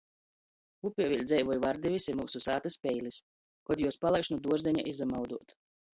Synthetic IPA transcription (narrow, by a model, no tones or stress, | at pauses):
upʲiɛvʲilʲd̪zɛjvɔjvaɾd̪ʲɛvʲisimuːsusaːt̪aspʲɛjlis | kɔd̪juɔspalˠajkʃnud̪uɔɾzɛɲa̰ʔizamawd̪uɔt̪